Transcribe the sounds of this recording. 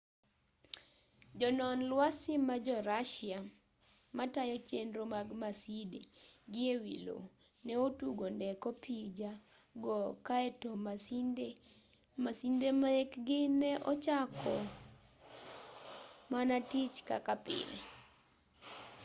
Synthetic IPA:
d͡ʒɔnɔnlwasɪmad͡ʒɔɾaʃɪa | matajɔt͡ʃendɾomaɡmasideɡɪewḭlo̰ | nɛotuɡondɛkopʰid͡ʒa | ɡɔkaɛtomaside | masindemaekɡɪnɛʔɔt͡ʃakʰɔ | manatit͡ʃka̰kapɪ̰lḛ

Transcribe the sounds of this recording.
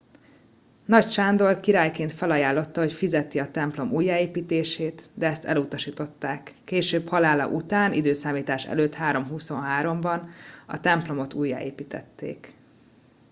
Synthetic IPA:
nɒcʃaːnd̪o̞rkiɾaːjkeːnt̪fɛlɒjaːlːo̞t̪ːɒɦo̞cfizɛt̪iɒt̪ɛmplo̞mʔuːjːaːeːpiːt̪eːʃeːt̪d̪ɛɛst̪ɛ̰lut̪ɒʃiːt̪o̞t̪ːaːkːeːʃøːphɒlaːlɒ̰ʔut̪aːnʔḭd̪øːsaːmiːt̪aːʃɛ̰løːt̪haːɾo̞mɦuso̞nɦaːɾo̞mbɒnɒ̰t̪ɛmplo̞mo̞t̪uːjːa̰ʔḛːpiːt̪ɛ̰t̪ːḛːk

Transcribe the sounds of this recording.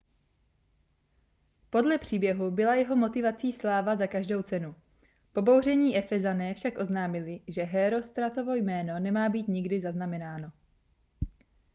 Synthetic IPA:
po̞dlɛpr̝̥iːbjɛɦubɪlajɛɦo̞mo̞t̪ɪvat͡siːslaːvazakaʒdowt͡sɛnu | po̞bo̞wr̝ɛɲiːʔɛfɛzanɛːfʃakʔo̞znaːmɪlɪʒɛɦɛːɾo̞st̪ɾat̪o̞vo̞jmɛːno̞nɛmaːbiːt̪ɲɪɡdɪzaznamɛnaːno̞

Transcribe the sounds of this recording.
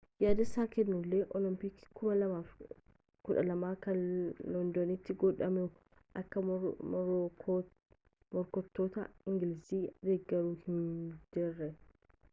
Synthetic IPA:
jaːd̪ɪsːaːkɛnːʊlːeːʔɔlɔmpɪkːɪ̥kʊmɐlɐmaːf | kʊᶑɐlɐmaːkɐnlɔnd̪ɔnɪt̪ːɪɡɔᶑɐmɛ | ʔɐkːɐ | mɔɾkɔt̪ːoːt̪ɐ̰ɪŋɡɪlɪsiːd̪eɡːɛɾuːhɪnd͡ʒɪrːɛ

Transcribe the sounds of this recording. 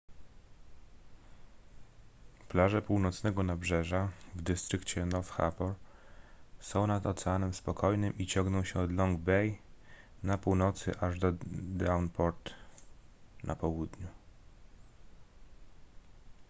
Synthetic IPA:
plaʐɛpuwnɔt̪snɛɡɔnabʐɛʐavd̪ɘst̪ɾɘkt͡ɕɛnɔfxa̰pɔɾ | sɔ̃w̃nad̪ɔt̪sɛanɛmspɔkʰɔjnɘmit͡ɕɔŋɡnɔ̃w̃ɕɛɔd̪lɔŋɡbɛj | napuwnɔt̪sɘ̰ʔaʐd̪ɔd̪awnpɔɾt̪ | nʔa̰pɔwud̪ɲu

